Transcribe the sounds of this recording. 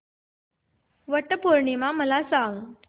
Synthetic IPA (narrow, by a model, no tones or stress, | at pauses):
ʋəʈəpoɾɳimaməlasaŋɡ